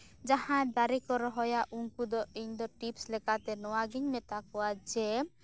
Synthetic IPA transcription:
d͡ʒahãd̪aɾikɔɾɔɦɔjaʔuŋkud̪ɔiɲd̪ɔʈipslɛkat̪ɛnɔwaɡiɲmɛt̪akɔwad͡ʒɛ

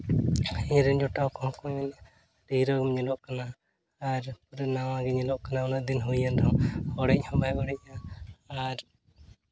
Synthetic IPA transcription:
iɲɾɛnd͡ʒɔʈawkɔhɔ̃kɔɲɛn | ɾiɾɔɡɔmɲɛlɔʔkanaː | ɾpuɾɛnawaɡɛɲɛlɔʔkanaɔnaʔd̪inɦujandawɔɽɛc̚hɔ̃bajɔɽɛʔ̚ɲaaɾ

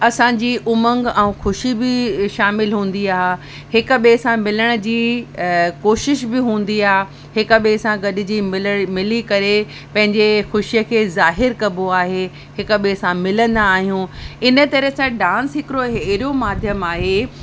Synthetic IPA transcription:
ɐsãɲd͡ʑiːʔʊmə̃ŋɡɛ̃ũːxʊʃibɪʃaːmɪlɦũːn̆d̪iaːɦ | hɪk̆ɓesãmɪləɽ̃ə̆d͡ʑiː | koːʃɪʃbɪɦũːn̆d̪iaːɦe | hɪkɓesãɡɐɗɪ̆d͡ʑiːmɪlikɐɾe | pɐ̃ɦɪ̃ɲd͡ʑexʊʃijəkʰeːzaːɦɪɾkɐboaːɦe | hɪk̆ɓesãmɪlə̃nd̪aːɦijũːɪnə̆t̪ɐɾəɦsãɖãːnsɦɪkɪɾoɦeɾijomaːd̪ʱjəmaːɦeː

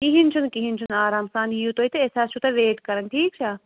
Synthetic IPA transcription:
kiɦint͡ʃʰunkiɦint͡ʃʰunaːɾaːmsaːnijut̪oːɦit̪ɨeːsaːst͡ʃʰut̪ɐʋeːʈkɐɾənʈʰiːk̚t͡ʃʰaː

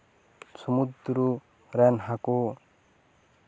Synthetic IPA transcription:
sʰumud̪ɾu | ɾɛnɦako

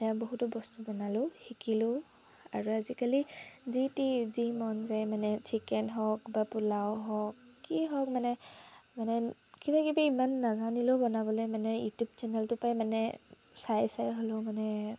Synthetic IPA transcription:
tajaboɦutɔbɔstubɔnalʊ̃xikilʊ | a̰ɹuazikalizitizimɔnzajmanɛt͡ʃʰikɛnɦɔk̚bapulaoɦɔkːiɦɔk̚manɛmanɛkibakibaimanːazanilobɔnabɔlɔjmanɛjutjub̚t͡ʃɛnɛltʊpajmanɛ | sajsajɦɔlɔmanɛ

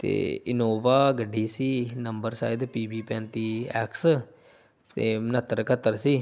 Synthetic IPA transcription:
t̪ḛːɪnoːʋaːɡəɖʱːiːsiːnəmbəɾsa̰ːɪd̪piːbiːpɛ̃ːnt̪iːɛ̰ːks | t̪ḛːmənət̪ːəɾkʰət̪ːəɾsiː

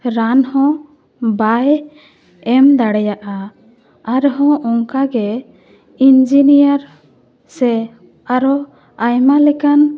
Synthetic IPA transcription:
ɾanhɔ̃ | baj | ɛmd̪aɽɛjaʔa | aɾɦɔ̃ʔɔŋkaɡɛ | ind͡ʒinijaɾ | sɛ | aɾɔ | ajmalɛkan

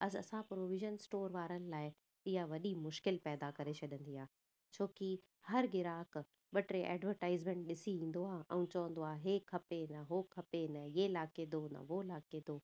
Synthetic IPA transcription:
ɐsɐ̰sãpɾoːʋɪʒənsʈoːɾʋaːɾənɪ̆laːɪ | ɪɦaʋɐɗimʊʃkɪlpɛːd̪akɐɾet͡ɕʰɐɗə̃nd̪iɦaː | t͡ɕʰoːki | hɐɾɡɪɾaːk | ɓɐʈɾeʔɛ̰ːɖʋəɾʈaːɪzmɛ̃ɳʈ̚ɗɪsiĩːn̆d̪oaːʔɛ̰̃ũt͡ɕɐʋə̃nd̪oaːɦeːkʰɐpenɐɦoːkʰɐpenɐɪelaːked̪onɐ̰ʋolaːked̪oː

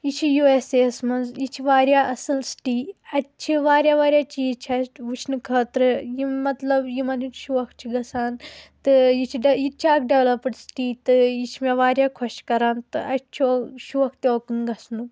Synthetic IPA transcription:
jit͡ʃʰijueseːsmɐnzjit͡ʃʰiʋaːɾjaːʔɐsɨlsʈiːɐtt͡ʃʰiʋaːɾʲjaːʋaːɾʲjaːt͡ʃʰijit͡ʃʰaʋut͡ʃʰnɨkʰəːt̪ɾɨjimɐt̪lɐbjimɐniʃuʋɐk̚ʰt͡ʃʰiɡɐsaːnt̪ɨjit͡ʃʰiɖɐjit͡ʃʰaːkʰɖeʋlɐpəɽsʈiːt̪ɨjit͡ʃʰimeʋaːɾʲjaːkʰɔʃkɐɾaːnt̪ɨɐt͡ʃʰiʃuʋɐkʰt̪oːkɨnɡɐsnɨ

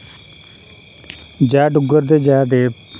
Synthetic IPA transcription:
d͡ʒɛːɖʊɡəɾd̪eːd͡ʒɛːd̪eː

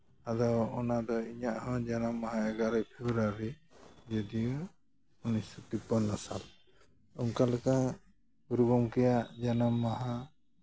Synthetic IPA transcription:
ad̪ɔwɔnad̪ɔiɲaʔhɔ̃d͡ʒanamːaɦãɛɡaɾacpʰɛbɾaɾid͡ʒɔd̪iu | unisɔt̪upɔnːɔsa̰l | uŋkalɛka | ɡuɾuɡɔmkɛjaʔd͡ʒanamːaɦã

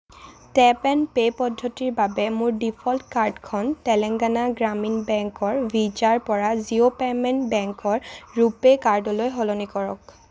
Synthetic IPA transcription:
tɛpɛnpejpɔdʱːɔtiɹbabɛmʊɹdipʰɔltkaɹdkʰɔntɛlɛŋɡanaɡɹaminbɛŋkɔɹbʱid͡ʒaɹpɔɹaziopɛmɛnbɛŋkɔɹɹupekaɹdɔlojɦolɔnikɔɹɔ̰k̚

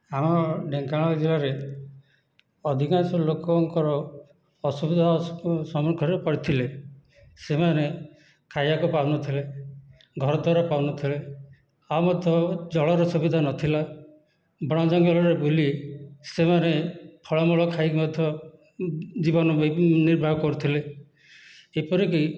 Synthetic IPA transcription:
amɔɖeŋkaɭ̃ɔd͡ʒilaɾe | ɔd̪ʱikansɔlokɔŋkɔɾɔː | subid̪ʱasɔmɔɾkʰɔɾepɔɽit̪ʰile | semane | kʰajakupawnɔt̪ʰile | ɡʱɔɾɔd̪ʱwaɾapawnɔt̪ʰile | amɔd̪ʱjɔd͡ʒɔɭɔɾɔsubid̪ʱanɔt̪ʰila | bɽ̃ɔ̃d͡ʒɔŋɡɔlɔɾebulisemanepʰɔɭɔmɔɭɔkʰajmɔd̪ʱjɔ | d͡ʒibɔnɔbniɾbʱabkɔɾut̪ʰile | epɔɾeki

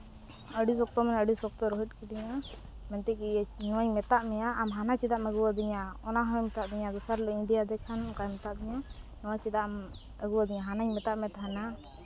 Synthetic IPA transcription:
əɖis̬ɔk̚t̪ɔmɛnəɖisɔk̚t̪ɔɾɔɦit̪̚ˀkid̪iɲa | mɛnt̪ɛkinɔwaɲmɛt̪aʔmɛjaʔamɦanat͡ʃid̪aʔməɡuwad̪iɲaɔnaɦɔɛmt̪aʔd̪iɲaɡ̪usaɾlɔĩd̪ijad̪ɛkʰankajmɛt̪aʔd̪iɲanɔwaɲt͡ʃɛd̪aʔm | əɡuwad̪iɲaɦanaɲmɛt̪aʔmɛt̪ɦana

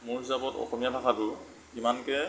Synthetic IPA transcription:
mʊɹɦisabɔtɔ̰xɔmijatʰakʰatʊ | kimankɛ

